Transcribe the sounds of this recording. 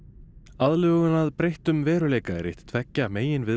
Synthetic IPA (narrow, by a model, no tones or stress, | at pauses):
aðlœːɣʏnaðpɾejht̪ʏmvɛːɾʏleːjkaɛɾɪ̰ht̪t̪ʰv̥ɛcːameːjɪnvɪ